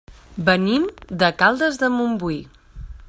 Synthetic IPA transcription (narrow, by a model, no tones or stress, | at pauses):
bənimd̪əkalˠd̪əzðəmumbui